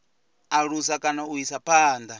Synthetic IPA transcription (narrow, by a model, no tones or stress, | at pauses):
aɺusakʼanauisapʰaːnd̪a